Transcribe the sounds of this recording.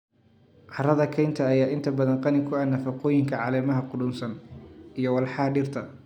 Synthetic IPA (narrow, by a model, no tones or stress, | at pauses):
ʕɑrɐðɐkʰɛjnt̪ʰɐːjaːʔɪnt̪ʰɐbɐðɐnqɑnɪkʰʊɐnɐfɐqɔːjɪŋkʰɐʕɑːlɛːmɐɦɐqʊdʊnsɐnijɔwɑlħɑhɐɖɪrt̪ʰɐ